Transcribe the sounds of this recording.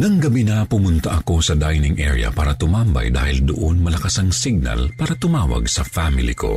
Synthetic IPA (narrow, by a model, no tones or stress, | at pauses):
nɐŋɡɐbinɐpʊmʊnt̪ɐʔɐko̞sɐd̪ajnɪŋʔɛ̰ɹjɐ̰paːɾɐt̪ʊmambɐ̰jd̪a̰ːhɪld̪ʊʔonmɐlɐkɐsɐŋsɪɡ̚nɐ̰lpaːɾɐt̪ʊmaːwɐ̰ɡsɐfamɪlɪ̰ko̞̰